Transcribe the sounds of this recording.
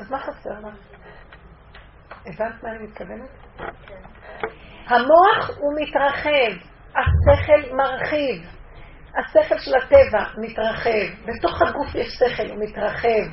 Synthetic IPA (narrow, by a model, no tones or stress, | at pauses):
ʔazmaχase̞ʁlaχ | evant̪maːnimit̪̚kavene | hamo̞aχumitʁaχe̞v | ase̞χe̞lmaʁχiv | hase̞χe̞lʃelate̞vamitʁaχe̞vbe̞to̞χhaɡufjeʃseχelumitʁaχe̞v